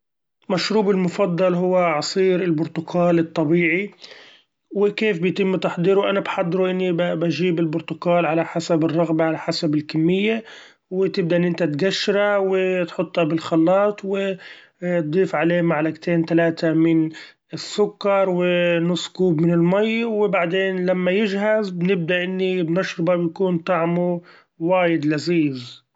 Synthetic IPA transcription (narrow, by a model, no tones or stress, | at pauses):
maʃɾuːbɪlmʊfɑd̪ˤːɑlɦʊwːaʕɑsˤiːɾɪlbʊɾt̪ʊkʰaːlɨt̪ˤːɑbiːʕi | wɪkeːfbɪjt̪ɪmːt̪ɑħd̪ˤiːɾwʔanabħad̪ˤːɾuʔɪnːibbaʒiːbɪlbʊɾt̪ʊkaːlʕalaħasabɪrˤːɑɣbaʕalaħasabɪlkamːɪjːa | wɪt̪ɪb̚d̪aʔɪnːʔɪnt̪at̪ɡaʃːɾawɪt̪ħʊt̪ˤːhɑbɪlxɑlːɑːt̪ˤwɪ | t̪̚d̪ˤiːfʕaleːmaʕlaɡt̪ʰeːnt̪alaːt̪amɪn | ɪsːʊkːɑɾˤwɪnʊsˤːkuːbmɪnɪlmajwɪbaʕd̪eːnlamːajɪd͡ʒɦazbɪnɪb̚d̪aʔɪnːibnɪʃɾɪbabjakuːnt̪ˤaʕmu | waːjɪd̪laziːz